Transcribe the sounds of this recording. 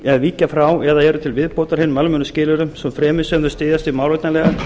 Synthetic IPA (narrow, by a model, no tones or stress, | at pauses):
ɛðviːcafɾawɛðaðɛːɾʏt̪ʰɪlvɪðpoːwt̪aɾ̥hɪnːʏmalmʏnʏscɪːlʏɾʏmsɛmfɾɛːmɪsɛmθʏ̥st̪ɪːðjast̪ɪmawlvjt̪nalɛɣa